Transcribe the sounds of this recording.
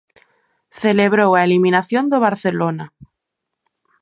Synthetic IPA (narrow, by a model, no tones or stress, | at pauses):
θeleβɾowaelimĩnaθjond̪eβ̞aɾθelona